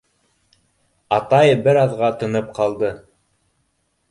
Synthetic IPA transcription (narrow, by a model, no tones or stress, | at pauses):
ɑt̪ɑjɤbɘɾɑðʁɑt̪ɤ̆nɤp̚qɑlˠd̪ɤ